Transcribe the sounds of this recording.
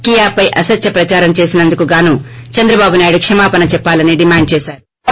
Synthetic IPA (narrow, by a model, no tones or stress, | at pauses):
kijaːpːɐjʔɐsɐtːjɐpɾɐt͡ʃaːɾɐmt͡ʃe̞ːsinɐnd̪ukuɡaːnut͡ʃɐnd̪ɾɐbaːbunaːjɽukʂɐmaːpɐnɐt͡ʃɛpːaːlɐniɖimaːɳɖ̚t͡ʃɛːʃaːɾu